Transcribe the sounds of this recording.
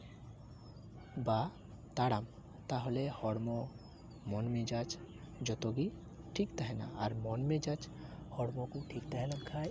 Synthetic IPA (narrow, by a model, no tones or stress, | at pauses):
ba | t̪aɽam | t̪aɦolehɔɽmɔ | mɔnmid͡ʒat͡ʃ | d͡ʒɔt̪oɡi | ʈʰikt̪aɦena̰aɾmɔnmed͡ʒat͡ʃ | hɔɽmɔkũʈʰikt̪aɦɛlankʰaj